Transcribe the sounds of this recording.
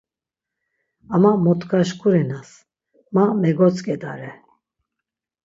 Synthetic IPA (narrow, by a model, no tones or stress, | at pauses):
amamɔt̪kʰaʃkʰʼuɾinas | mamɛɡɔt͡sʼkʼɛd̪aɾɛ